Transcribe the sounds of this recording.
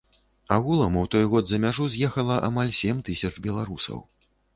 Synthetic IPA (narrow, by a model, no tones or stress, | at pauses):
aɣulˠɐmuwt̪ɔjɣɔd̪zɐmʲaʐuzʲjɛxɐlˠɐʔa̰malʲsʲɛmt̪ɨsʲɐt͡ʂbʲɛlˠaɾusɐ̰w